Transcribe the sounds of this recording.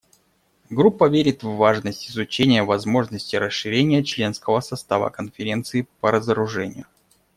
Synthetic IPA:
ɡɾupːəvʲeɾʲɪt̪vːaʐnəsʲtʲɪzʊt͡ɕenʲɪjəvɐzmo̞ʐnəsʲtʲɪɾəsʂɨɾʲenʲɪjət͡ɕlʲe̞nskəvəsɐst̪avə̰kənfʲɪɾʲe̞nt̪sɨɪpəɾəzəɾʊʐɛnʲɪ̰jʊ

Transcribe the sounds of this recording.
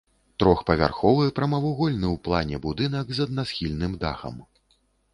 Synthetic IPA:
t̪ɾɔxpɐvʲa̰rxɔvɨɛpɾɐmɐvuɣɔlʲnɨwplˠanʲɛbud̪ɨnɐɡzɐd̪nasxʲilʲnɨmd̪a̰xɐ̰m

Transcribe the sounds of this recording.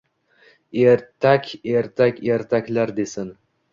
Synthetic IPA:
eɾt̪ʰakʲeɾt̪ʰakʲeɾt̪ʰakʲlaɾd̪esɪn

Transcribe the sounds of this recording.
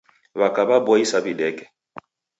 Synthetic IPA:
βakʼababɔisabidɛːkʼɛ̥

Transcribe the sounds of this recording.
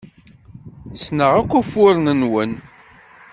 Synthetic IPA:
snəʁækʷːæfʊɾnənwən

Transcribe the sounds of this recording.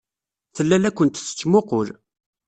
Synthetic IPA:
θəlːælækʷːənt̪θə̥t͡ʃːmoqʊɾ

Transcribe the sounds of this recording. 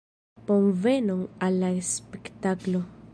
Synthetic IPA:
ponvenoŋalːaespekt̪aklo

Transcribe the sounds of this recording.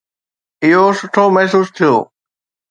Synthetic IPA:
ɪɦoːsʊʈʰoːmɛɦs̬uːst̪ʰɪjo̰ː

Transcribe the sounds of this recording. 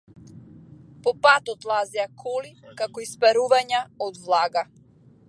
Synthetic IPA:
pɔpat̪ɔt̪lˠazɛakʰɔlikakɔispɛɾuvaɲaɔd̪vlˠaɡa

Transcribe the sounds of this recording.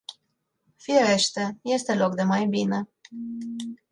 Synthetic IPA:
fiɾe̞ʃt̪eje̞st̪e̞lo̞k̚d̪e̞majbine̞

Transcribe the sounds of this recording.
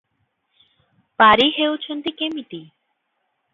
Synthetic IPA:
paɾiɦeut͡ʃʰənt̪ikemit̪i

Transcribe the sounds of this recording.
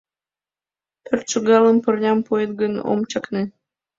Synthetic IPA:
pørt̪̚t͡ʃuɣɑləmpərnʲɑmpoet̪̚ɡəno̰mt͡ɕɑkne

